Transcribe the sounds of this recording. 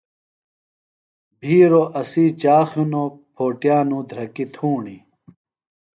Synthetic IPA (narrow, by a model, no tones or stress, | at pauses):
bʱiːɾoʔɐsiːt͡ɕaːxjunopʰoːʈjaːnũːd̪ʱɾɐkit̪ʰuːɳi